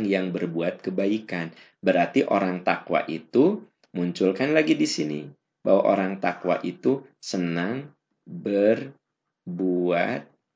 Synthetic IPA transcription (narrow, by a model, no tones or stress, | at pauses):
ŋjaŋbərbuat̪̚kəbaikan | bəɾart̪iʔoɾaŋt̪akwa̰ʔit̪u | muɲt͡ʃʊlkanlaɡidisinḭ | bawaʔoɾaŋt̪akwa̰ʔit̪u | sənaŋ | bər | buat̪̚